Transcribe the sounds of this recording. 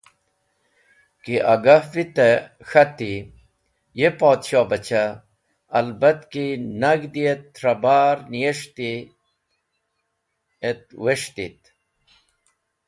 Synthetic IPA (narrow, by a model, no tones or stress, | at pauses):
kiʔɐɡɐvit̪e | xɐt̪i | jepoːt̪ɕoːbɐt͡ɕaː | lbɐt̪kinɐɡd̪iet̪ːɾɐbaːɾnijeʂt̪i | et̪̚weʂt̪it̪